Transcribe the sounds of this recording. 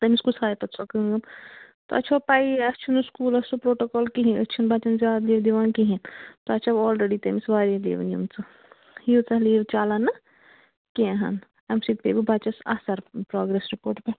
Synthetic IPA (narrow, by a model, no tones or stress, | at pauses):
t̪ɐmiskusaːjit̪ɐsʰɐkɐŋɡɐm | t̪oɐ̰t͡ʃʰapaːiɐst͡ʃʰɐnuskuːlɐsupɾoːʈokɔːlkiɦĩɐst͡ʃʰɐnbʱaːt͡ʃɐnzjaːd̪liːʋd̪iʋaːnkiɦĩt̪oɐt͡ʃʰaɔːlɾeɖit̪ɐmisʋaːɾɐd̪ḛːʋɐ̰njṵmt͡sɨ | hiut͡sɐliːʋt͡ʃaːlɐnɐ | kĩɦɐ̰n | ɐmsit̪̚pḛːbibʱat͡ʃɐsa̰sɐɾpɾɔːɡɾesɾipoːɾʈpe